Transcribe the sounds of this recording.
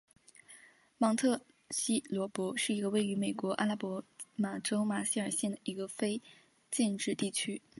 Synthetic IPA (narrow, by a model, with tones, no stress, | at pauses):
mɑ˧˥ŋt̪ʰɤ˥˩ | ɕi˥lwɔ˧˥pwɔ˧˥ʂɻ̩˥˩i˧˥ɡə˧we˥˩ɪy˧˥me˨˩ɪkwɔ˧˥ʔa̰˥la˥pwɔ˧˥ma˨˩ʈ͡ʂo˥ʊma˨˥ɕi˥˩ə˞˨˩ɕjɛ˥˩nd̪ə˩i˧˥ɡə˧fe˥ɪ | t͡ɕjɛ˥˧nʈ͡ʂɻ̩˥˧t̪i˥˩t͡ɕʰy˥